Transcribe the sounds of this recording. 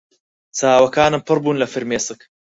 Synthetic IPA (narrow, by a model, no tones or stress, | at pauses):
t͡saːwɐkaːnɨmpʰɨrbuːnlɐfɨɾmeːsɨk